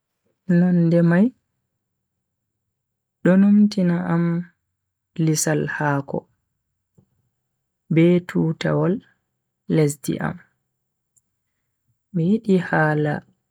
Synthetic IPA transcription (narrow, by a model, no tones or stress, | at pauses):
nɔndɛmaj | ɗɔnumtinaam | lisalhaːkɔ̰ | bɛtʰuːta̰walː | es̬dḭʔa̰m | ɛjiɗihaːla̰